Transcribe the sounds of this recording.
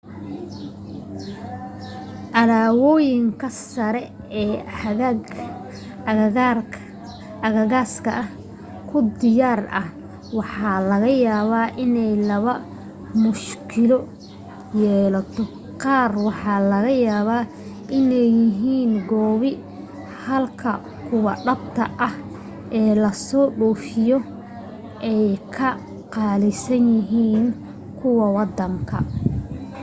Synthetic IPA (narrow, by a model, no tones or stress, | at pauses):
ʔɐðaːwɔːjɪŋkʰɐsɐɾɛ | ɛː | r | ɐɣɐɣaːskʰɐ̰ʔɐh | kʰʊd̪ɪjaːrɐh | wɑħɑːlɐɣɐjaːβaːʔɪnɛjlɐβɐ | mʊʃkʰɪlɔ | jɛːlɐt̪ʰɔ | qɑːrwɑħɑːlɐɣɐjaːβaː | ʔɪnɛjɪɦiːnɡɔːβɪ | hɐlkʰɐ̰ | kʰʊwɑɖɐbt̪ʰɐʔɐh | ʔɛːlɐsɔːɖɔːfɪjɔ | ʔɛjkʰɐ | qɑːlɪsɐnjɪɦiːn | kʰʊwɐwɑd̪ɐŋkʰɐ̰